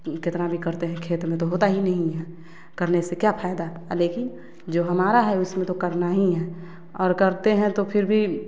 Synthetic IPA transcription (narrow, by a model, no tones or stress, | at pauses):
kɪt̪nabʱikəɾt̪eɦɛ̃kʰeːt̪mẽt̪oɦoːt̪aɦinəɦĩɦɛː | kəɾnesekjapʰaːjd̪aɦleːkɪn | d͡ʒoːɦɐmaːɾaɦɛʊsmẽt̪okəɾnaɦĩɦɛː | ɔːɾkəɾt̪eɦɛ̃t̪opʰɪɾbʱi